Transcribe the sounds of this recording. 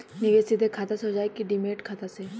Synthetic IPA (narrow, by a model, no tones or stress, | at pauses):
niɡesid̪ʱekʰat̪asɦod͡ʒaekiɖimeʈkʰat̪ase